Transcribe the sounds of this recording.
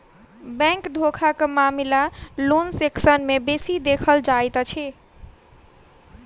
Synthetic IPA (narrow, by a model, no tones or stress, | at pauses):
bɛ̃ŋkd̪ʱokʰakemamilalunseksənmebesid̪ekʰəld͡ʒajt̪t͡ʃʰi